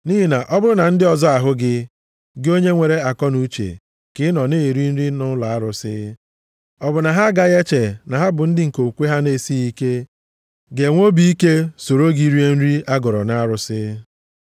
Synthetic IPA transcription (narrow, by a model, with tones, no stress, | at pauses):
ni˦ɦi˦na˨ʔɔ˦bʊ˦ɾʊ˦na˨n̩˦dɪ˦ɔ˨zɔ˦a˨ɦʊ˦ɡɪ˦ | ɡo˦ɲe˦ŋʷe˨ɾe˦a˨kɔ˦nu˦t͡ʃḛ˨ | kɪ˦nɔ˨ne˦˨ɾi˦n̩˦ɾi˦nʊ˦la˨a˦ɾʊ˨sɪ˦ | ɔ˦bʊ˨na˨ɦa˦ɡa˦ɣe˦t͡ʃe˨na˨ɦa˦bʊ˨n̩˦dɪ˦ŋ̩˨ko˨kʷe˦ɦa˦ne˦si˦i˦ke˦ | ɡe˨ŋʷo˦bi˦i˦ke˦so˨ɾo˦ɡi˦ɾi˦e˦n̩˦ɾi˦a˦ɡɔ˨ɾɔ̰˨na˦a˦ɾʊ˨sɪ˦